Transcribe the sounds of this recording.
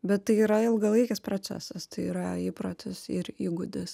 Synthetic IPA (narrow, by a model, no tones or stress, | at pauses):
bʲɛt̪tɐɪiːɾɐɪlˠɡɐlˠɐɪkʲɛspɾoːt͡s̪ʲæ̰sɐst̪ɐɪiɾɐiːpɾot̪ʲɪsɪɾiːɡʊd̪ʲɪs